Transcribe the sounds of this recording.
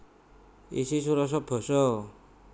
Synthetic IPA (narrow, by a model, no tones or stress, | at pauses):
ḭsis̬uɾɔs̬ɔpʰɔsɔ